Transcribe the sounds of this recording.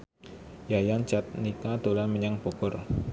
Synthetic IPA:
jajant͡ʃat̪̚nikad̪̥olaməɲaŋb̥oɡ̥ɔr

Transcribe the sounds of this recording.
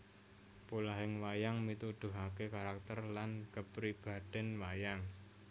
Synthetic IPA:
pulaɦɪŋwajaŋmit̪ud̪̥ṳɦakekaɾak̚t̪ərlankəpɾib̥a̤d̪̥ɛ̤nwajaŋ

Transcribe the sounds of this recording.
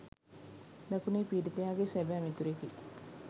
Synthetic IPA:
nakuneːpiːdit̪ejaːɡesæbæːmit̪uɾeki

